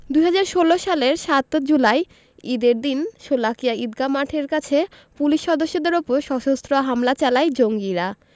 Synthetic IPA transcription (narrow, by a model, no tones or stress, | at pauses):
d̪uɦad͡ʑaɾʃoloʃaleɾʃat̪d͡ʑulaj | id̪eɾd̪inʃolakijaid̪ɡamaʈʰeɾkat͡ɕʰe | puliʃːɔd̪oʃːod̪eɾupoɾʃɔʃost̪ɾoaɦamlat͡ɕalajd͡ʑoŋɡiɾa